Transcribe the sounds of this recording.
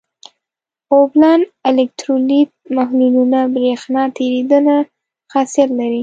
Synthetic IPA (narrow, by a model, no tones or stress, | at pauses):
oblɑnɪlɪk̚t̪ɾolit̪̚mahlulunabɾexnɑt̪eɾed̪əna | xɑsijat̪laɾi